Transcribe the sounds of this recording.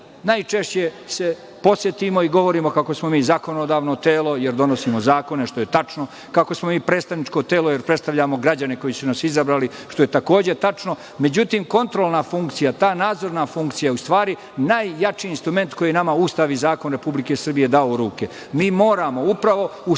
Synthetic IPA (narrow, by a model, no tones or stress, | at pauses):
najt͡ʂe̞ʃt͡ɕe̞se̞ | po̞sjet̪imo̞iɡo̞ʋo̞ɾiːmo̞kako̞smo̞miːzako̞nod̪aːʋno̞t̪eːlˠo̞jeɾd̪o̞nosiːmo̞zaːko̞neʃt̪o̞jet̪at͡ʂno | kako̞smo̞miːpɾet̪st̪aʋnit͡ʂko̞t̪e̞ːloje̞ɾpɾest̪aʋʎamo̞ɡɾad͡ʑane̞ko̞jisunasizabɾaːliʃt̪o̞je̞t̪ako̞ːd͡ʑe̞t̪at͡ʂno̞ | me̞d͡ʑut̪iːmko̞nt̪ɾo̞lˠnafuŋkt̪sijat̪aːnaːd̪zo̞ɾnafuŋkt̪sijajeust̪ʋaːɾi | najːat͡ʃiːnst̪ɾume̞nt̪ko̞jinamaust̪aʋizaːkonɾe̞publike̞sr̩bije̞d̪aouɾuːke̞ | miːmo̞ːɾamo̞upɾaʋo̞u